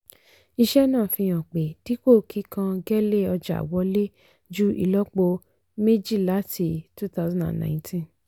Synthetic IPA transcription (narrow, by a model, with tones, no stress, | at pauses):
i˧ʃɛ˦nãː˦˨fĩ˧j̃ã˨k͡pe˨ti˨˦ko˦˨kʰi˨˦kã˧ɡɛ˦le˦˨ɔ˧d͡ʒa̰˨wɔ˨˦le˦ | d͡ʒu˦ʔḭ˧lɔ˦k͡po˧ | me˦d͡ʒi˦˨la˨˦tʰi˧tu˦t̪a˦zã˦ndã̰˨nnã̰˨ĩ˦tʰĩ˦n